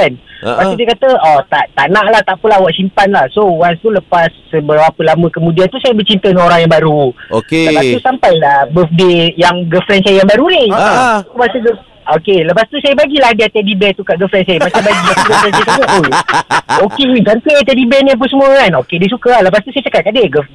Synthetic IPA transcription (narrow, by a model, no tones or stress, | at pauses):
anpast̪udiəkat̪əɔt̪aʔt̪aʔnãʔlaht̪aʔpəlahwaʔsimpanlahsowanst̪uləpasːəbəɾaapəlamə̃kəmũdiant̪usajəbət͡ʃint̪əŋoɾaŋjãŋbaɾuoeləpast̪usampajabəfdejaŋɡəfɾɛnsajəjaŋbaɾunik̪ubasuɡə | okeləpast̪usajəbaɡilahdəat̪ɛdibɛt̪ukaʔɡəfɾɛnsajəmat͡ʃambaɡimast̪uɡəfɾɛnsajəkaɡaʔu | okeid͡ʒant̪əat̪ɛdibɛnip̬unsəmũəkanokedisukaləpast̪usajət͡ʃəkat̪̚kadeɡəf